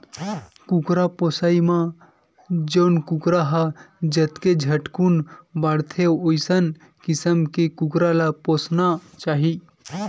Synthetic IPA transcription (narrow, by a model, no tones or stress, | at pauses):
kukɾaposaimã | d͡ʒəwnkukɾaɦad͡ʒət̪ked͡ʒʱəʈkunbaɽt̪ʰeojsən | kisəmkekukɾalaposnat͡ʃaːɦi